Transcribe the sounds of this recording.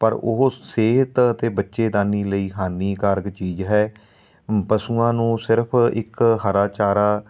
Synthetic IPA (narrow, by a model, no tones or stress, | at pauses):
pəɾo̰ɦseːɦət̪ət̪eːbətːʃeːd̪aːniːləiːɦaːniːkaːɾɡt͡ʃiːd͡ʒɦɛː | pəsuːãːnũːsɪɾəpʰɪ̰kɦəɾaːt͡ʃaːɾaː